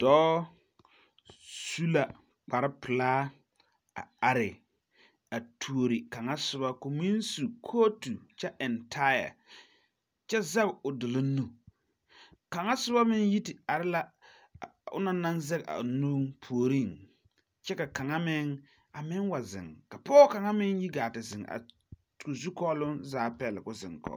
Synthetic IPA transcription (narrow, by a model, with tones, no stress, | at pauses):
d̥ɔː˦ | su˦la˨ | k͡pa˨ɾɪ˦pɪ˨laː˦ | a̰˨a˨ɾɪ˨ | a˨tʰu˨o˨ɾi˨ka˨ŋa˦sʊ˦ba˦ko˨mi˦n˦su˨kʰoː˦tu˨t͡ʃɛ˦ʔɛ˨ntʰa˦ja̰˨ | t͡ʃɛ˦za˦bʊ˨dʊ˨lʊ˦nu˨ | ka˨ŋa˦sʊ˦ba˦mɪ˦nji˦tɪ˨a˨ɾɪ˦la˦˨ | ʊ̰˦na˦na˦nzɛ˦ɣa̰˨nuː˦ŋpʰu˨o˨ɾi˦˨ŋ | t͡ʃɛ˦ka˨ka˨ŋa˦mɪ˦ŋ | a˨mɪ˦ŋwa˨zɪ̰˨ŋka˨pɔː˦ka˨ŋa˦mɪ˦nji˦ɡaː˨tɪ˨zɪ˨ŋ˨a̰˨ | kʊ˨zu˦kɔː˦lʊ˦nzaː˨˦˨pɛ˨lɪ̰˨kʊ˨zɪ̰˨ŋkɔ̰˨